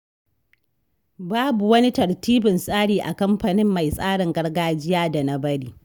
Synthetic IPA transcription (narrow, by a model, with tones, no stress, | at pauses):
baː˦bu˨wɐ˦ni˦tɐ˨ɽtiː˦bɪ˨nsʼaː˦ɽiː˨ʔa˨kɐ˦mɸa˨nɪ˦mːa˨jsʼaː˦ɽɪ˨ŋɡɐ˦rɡaː˦d͡ʒɪ˦jaː˦da˨na˦bɐ˦ɽiː˦